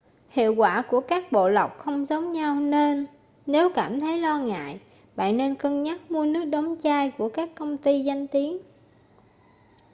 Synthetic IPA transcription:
hḭ˧˨əwkwaː˧˩ku˧˩əkaː˦˥k̚ɓo̰˧˨la˨˩wk͡p̚xə˧wŋ͡mzə˨˦wŋ͡mɲa˧wne˧nː | e˨˦wkaː˧˩mt̪ʰə˨˦jlɔ˧ŋa̰ː˧˨j | ɓa̰ː˧˨nːe˧nkə˧ŋɲa˦˥t̚mu˧ənɨ˦˥ək̚ɗɔ˨˦wŋ͡mt͡ɕaː˧jku˧˩əkaː˦˥kːə˧wŋ͡mt̪i˧za˧jŋ̟t̪i˨˦ən

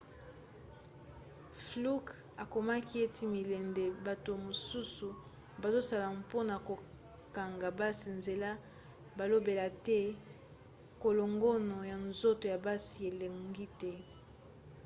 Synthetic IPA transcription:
flu˦k | a˨ko˨ma˦ki˦e˦tʰi˦mi˨lɛ˨nde˨ba˨to˨mo˨su˦su˨ | ba˨zo˦sa˨la˨po˦na˨ko˨ | ka˨ŋɡa˨ba˦si˨nze˨la˦ | ba˨lo˦be˨la˨tɛ˦ | ko˨lo˨ŋɡo˦no˨ja˨nzo˦to˨ja˨ba˦si˨e˨le˨ŋŋŋɡi˦tɛ˦

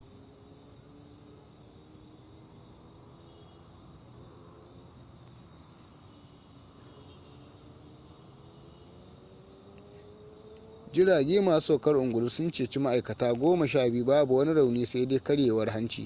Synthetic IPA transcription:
d͡ʒɪ˦ɽaː˨ɡʲeː˦maː˨su̥˦soː˦˨kɐ˦rʔʊ˨ŋɡʷʊ˨ɽʊ˦sʊ˦nt͡ʃeː˨t͡ʃi˦ma˦ʔa˨jkɐ˨taː˦ɡʷoː˦mɐ˨ʃ̬aː˦˨biː˦baː˦bu˨wɐ˦ni˦ɽa˨wniː˦sa˦deː˦kɐ˦ɽjeː˨wɐ˦rɦa˦nt͡ʃḭː˨

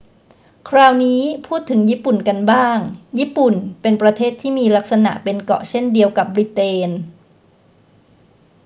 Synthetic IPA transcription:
kʰɾaː˧wniː˦˥pʰuː˥˩t̪ʰːɯ˩˦ŋjiː˥˩pu˨˩nka˧nbaː˥˩ŋjiː˥˩pu˨˩npe˧npɾa˧t̪ʰeː˥˩t̪ʰːiː˥˩miː˧la˦˥k̚sa˧na̰˨˩ʔpe˧nkɔ̰˨˩t͡ɕʰe˥˩ndi˧əwka˨˩p̚bɾi˧˩t̪eː˧n

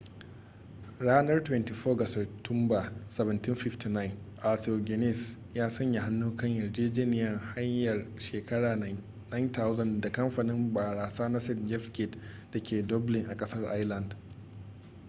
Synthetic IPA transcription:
ɽaː˦nɐ˦rtwɛ˦nti˨ɸoː˦ɡɐ˨so˨tʰʊ˦mba˨sɐ˨βɐ˨ntɪ˦nɸɪ˦fti˨na˦jɪ˨n | ʔa˨to˨ɡʲɛ˨nɛ˦˨s | jaː˦sɐ˦ɲja˨ɦa˦nːuː˦kɐ˦ɲjɐ˨rd͡ʒeː˦d͡ʒeː˦nɪ˨jɐ˦˨ŋha˦ɲjɐ˨rʃeː˨kɐ˦ɽaː˨ | na˦jntʰa˦wzɐ˨nda˨kɐ˦mɸaː˨nɪ˦mbaː˨ɽaː˨saː˦na˦sɛ˦dd͡ʒɛ˦fskɪ˦˨t | d̥a˨kʲʰeː˨dɔ˦blɪ˨ŋʔa˨kʼɐ˦sɐ˦rʔa̰˦jlɐ˨nd

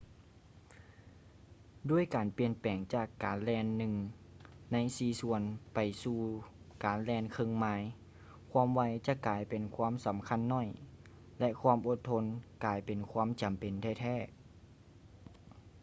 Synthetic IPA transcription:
du˧˥˩əjkaː˨npi˧ənpɛː˨˩ŋt͡ɕaː˧˩kːaː˨nlɛː˧˥nːɯ˧ŋ | na˧˥jsiː˧su˧ənpa˨˩jsuː˧˩ | kaː˨˩nlɛː˧nkʰɤ˧˨ŋmaː˧˥j | kʰwaː˧˥˨mʋa˧˥jt͡ɕa˧˦kaː˨˩jpe˨nkʰwaː˧˥˨msa˨˦mkʰa˧˥˨nːɔ˧˥˨j | lɛ˧˥ʔkʰwaː˧˥˨mʔo˧t̪ʰːo˧˥nkaː˨˩jpe˨nkʰwaː˧˥˨mt͡ɕa˨mpe˨nt̪ʰɛː˧˩t̪ʰɛː˧˩

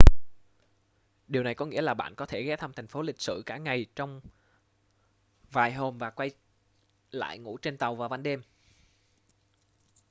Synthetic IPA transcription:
ɗi˨˩əwna˨˩jkɔ˨˦ŋḭ˧˥əlaː˨˩ɓa̰ː˧˨nkɔ˨˦t̪ʰe˧˩ɣɛ˨˦t̪ʰə˧mt̪ʰa˨˩ŋ̟fo˨˦lï˨˩k̚sɨ̰˧˨kaː˧˩ŋa˨˩jt͡ɕɔ˧wŋ͡m | vaː˨˩jɦo˧˩mvaː˨˩kwa˧j | la̰ː˧˨jŋṵ˧˥t͡ɕe˧nt̪a˨˩wvaː˨˩va˧nɗe˧m

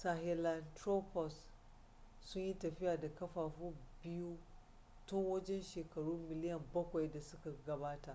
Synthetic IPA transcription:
sa˨ɦɛ˨la˨ntɾo˦pɔ˨sː | ʊ˦ɲji˦tɐ˨ɸɪ˦jaː˨da˨kɐ˦ɸaː˨ɸuː˦bɪ˦ju˦ | tʊ˦ŋwɐ˦d͡ʒɛ˦nʃeː˨kɐ˨ɽuː˦mɪ˨lɪ˦jɐ˨mbɐ˦kʷa˨jda˨sʊ˦ka˨ɡɐ˨baː˦ta˨ʔ

